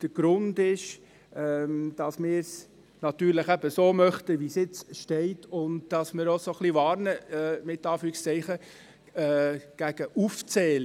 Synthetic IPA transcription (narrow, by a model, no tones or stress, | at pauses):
d̥əɾɡ̥ɾʊndɪʃ | ɛmd̥ɑsmɪːɾs | nɑtyːɾləχæb̥əsoːmœχtəʋisɪt͡sʃtɛɪtʊndd̥ɑsmɪɾosoχliʋɑːɾnəɛmɪtːɑːfyːɪkst͡sɛɪχəː | ɡ̥æɡ̥əʔuft͡sɛːl